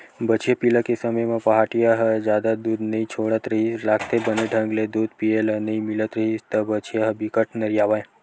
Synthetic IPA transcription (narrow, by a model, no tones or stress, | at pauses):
bət͡ʃʰjepiləkesəməjmãpəɦaʈijaɦəd͡ʒjad̪ad̪ud̪nəĩt͡ʃʰoɽət̪ɾəɦilakʰt̪ebəneɖʱə̃ŋɡled̪ud̪pielənəĩmilət̪ɾəɦist̪əbət͡ʃʰijaɦəbikəʈnəɾijaʋaj̃